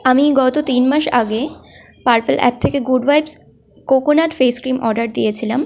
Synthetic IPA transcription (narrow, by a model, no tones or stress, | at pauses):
amiɡɔt̪ot̪inmaʃa̰ɡe | paɾpelʔɛ̰p̚t̪ʰekeɡuɖbajbs | kokonaʈfeskɾimɔɾɖaɾd̪ijet͡ɕʰilam